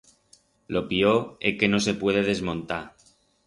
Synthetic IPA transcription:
lo̞pioeke̞no̞se̞pwe̞ðe̞ðe̞zmõnt̪a

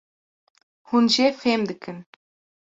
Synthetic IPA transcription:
xunʑefemd̪ɘ̆kʰʲːɘ̆n

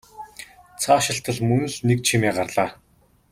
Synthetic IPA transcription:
t͡sʰaːʃɪ̆ɬt̪ə̆ɮmɵn̆ɮnekt͡ɕʰimiːɢarɮaː

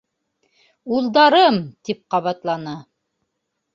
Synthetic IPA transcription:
ulˠd̪ɑɾɤmt̪ip̚qɑβɑt̪lˠɑnɤ

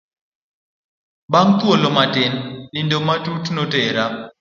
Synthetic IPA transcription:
baŋt̪wolomatɪnːɪndomatutnoteɾa

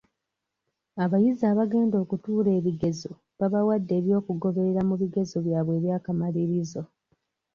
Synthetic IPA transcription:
aβajizaːβaɡe̞ːndo̞ːkutuːle̞ːβiɡe̞zo | βaβawadːe̞ːβjo̞ːkuɡo̞βe̞ɾeɾamuβiɡe̞zoβjaːβwe̞ːβjaːkamaliɾizo̞

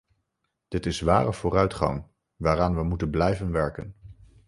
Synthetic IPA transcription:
d̥ɪtɪsʋaːrəv̥ʊːrœɥtχɑ̰ŋ | ʋaːraːnʋəmutənblɛjvənʋɛɹkə̰n

